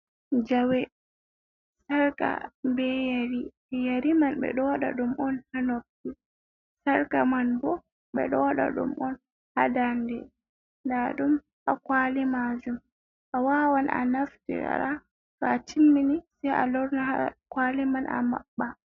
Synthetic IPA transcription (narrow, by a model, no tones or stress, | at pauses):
d͡ʒawɛ | saɾka̰bɛjaɾi | jaɾimanɓɛ̰ɗɔwɗa̰ɗumɔnhanof̚ti | saɾkamanbɔ | ɓɛɗɔwɗa̰ɗṵmʔɔn | hadandɛ | ndaɗum | hakwalimad͡ʒum | ʔawaːwanʔa̰naftḭɾa̰ɾa | fatʰimːinisɛja̰lɔɾnahakwalimanʔa̰ma̰ɓːa